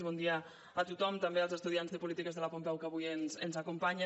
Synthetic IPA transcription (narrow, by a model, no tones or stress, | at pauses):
βɔnd̪ia | at̪ut̪ɔmt̪ambealzəst̪uðianzðəpulit̪ikəzðəlapumpɛwkaβujenzənzakumpaɲə